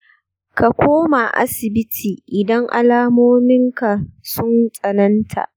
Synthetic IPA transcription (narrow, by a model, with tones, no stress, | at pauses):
ka˨kʷoː˦ma˨ʔa̰˦sɪ˨bɪ˦tʰiː˨ʔɪ˨dɐ˦ŋʔa̰˨laː˦moː˦mɪ˦ŋka˨sʊ˦nsʼɐ˨nɐ˦ntʰa̰˨ʔ